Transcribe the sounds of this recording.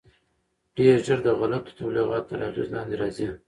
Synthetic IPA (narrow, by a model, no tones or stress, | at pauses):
ɖ̥eɾʒəɾd̪əɣʊlab̚t̪ə̥t̪ʰabliɣɑt̪ːaɾafizlɑnd̪eɾɑzi